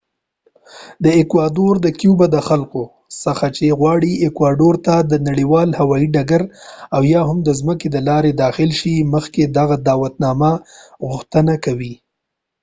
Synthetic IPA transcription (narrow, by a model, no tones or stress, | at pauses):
d̪əekwɑɖoɾd̪əkjubad̪əxalko | səxat͡ʃeɣwɑɽiekwaɖoɾt̪ad̪ənaɽiwɑlhawɑiɖaɡaɾawjɑɦʊmd̪əzməked̪əlɑɾed̪ɑxɪlʃiməxked̪aɣad̪ɑwat̪nɑmaɣʊxt̪ənakawi